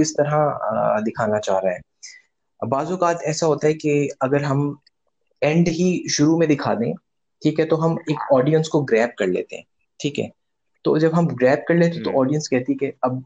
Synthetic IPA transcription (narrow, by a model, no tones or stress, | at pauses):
kɪst̪ɐɾãd̪ɪkʰaːnat͡ʃa̰ːɾaaɦɛː | baːzukaːt̪ʰɛːsaɦoːt̪aɦɛkeɐɡəɾɦɐm | ɛ̃ɳɖɦiʃʊɾumẽd̪ɪkʰa̰ːd̪ḛ̃ | ʈʰiːkɦɛt̪oɦɐmeːkɔːɖijə̃nskoɡɾɛːp̚kɐɾlḛːt̪ḛɦɛ̰̃ː | ʈʰiːkɦɛ̰ː | t̪o̰ːd͡ʒɐbɦɐmɡɾɛːp̚kɐɾleːt̪ẽt̪oʔɔːɖijə̃nskɛɦt̪iɦɛkeɐb̚